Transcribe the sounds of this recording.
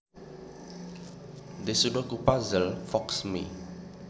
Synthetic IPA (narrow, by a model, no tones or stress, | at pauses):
desudokupazəlfɔksmḭ